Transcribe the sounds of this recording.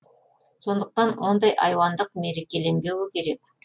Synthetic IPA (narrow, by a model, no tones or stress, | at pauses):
so̞nd̪əq̚t̪ɑnwo̞nd̪ɑjʔɑjwɑnd̪əqmeɾekʲe̞le̞nbe̞wɪkʲʰe̞ɾe̞k̚